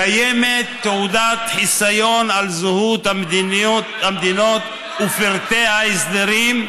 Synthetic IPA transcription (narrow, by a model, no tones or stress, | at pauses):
ajemet̪ːeud̪at̪ħisajo̞nalzuhut̪hamd̪in | hamd̪inot̪ | ufiɾt̪eaisd̪eɾim